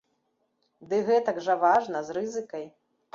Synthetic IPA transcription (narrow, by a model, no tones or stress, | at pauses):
d̪ɨɣɛt̪ɐɡʐɐvaʐnɐzrɨzɨkɐj